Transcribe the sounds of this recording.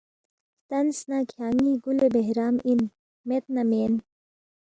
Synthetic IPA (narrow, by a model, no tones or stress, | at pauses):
t̪ɐnsnakʰjaːŋiɡulebeɦɾaːmin | met̪̚nameːn